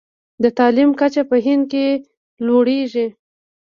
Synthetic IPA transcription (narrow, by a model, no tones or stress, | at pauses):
d̪ət̪ɑlimkat͡ʃapəɦɪnd̪̚ke | loɽeʒi